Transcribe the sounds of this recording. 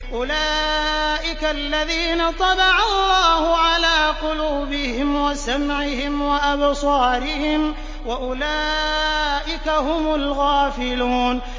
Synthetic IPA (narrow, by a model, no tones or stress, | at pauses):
ʔʊlaːʔɪkalːaðiːnat̪ˤɑlɑʕɑlˤːɑːhʊʕalaːqʊluːbɪhɪmwasamʕɪhɪmwaʔabsˤɑːɾɪhɪm | waʔʊlaː | ʔɪkahʊmʊlɣaːfɪluːn